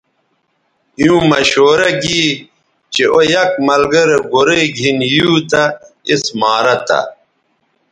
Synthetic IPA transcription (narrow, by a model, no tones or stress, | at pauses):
jũːmɐɕoːɾɐɡi | t͡ɕeʔojɐk̚mɐlɡɐɾɡoɾeɡʱinjuːt̪ɐismaːɾɐt̪a̰